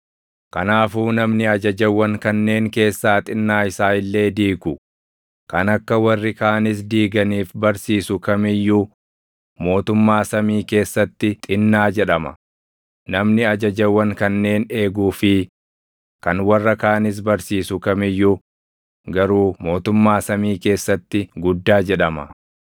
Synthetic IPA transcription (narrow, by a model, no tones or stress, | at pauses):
kɐnaːfuːnɐmnɪɐd͡ʒɐd͡ʒɐwːɐŋkɐnːe̞ːŋke̞ːsːaːt̪ʼɪnːaːɪsaːɪlːe̞ːd̪iːɡʊ | kɐnɐkːɐwɐrːɪkaːnɪs̬d̪iːɡɐniːfbɐɾsiːsʊkɐmɪjːu | mo̞ːt̪ʊmːaːsɐmiːke̞ːsːɐt̪ːɪt̪ʼɪnːaːd͡ʒɛᶑɐmɐ̰ | nɐmnɪɐd͡ʒɐd͡ʒɐwːɐŋkɐnːe̞ːne̞ːɡuːfɪ | kɐnwɐrːɐkaːnɪs̬bɐɾsiːsʊkɐmɪjːu | ɡɐɾuːmo̞ːt̪ʊmːaːsɐmiːke̞ːsːɐt̪ːɪɡʊd̪ːaːd͡ʒɛᶑɐmɐ̰